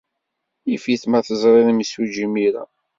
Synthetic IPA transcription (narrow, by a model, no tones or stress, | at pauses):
ifiθmæθəzˤɾˤeðimisud͡ʒimiɾa̰